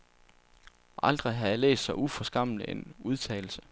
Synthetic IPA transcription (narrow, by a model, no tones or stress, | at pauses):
ʔɑ̈ld̥ʁiɦɑjɑlḛːsd̥sɑ̈ɪufɒ̽sɡ̥ɑ̈m̰ləenuð̞ˠt͡sʰɛ̰ːl̩sə̥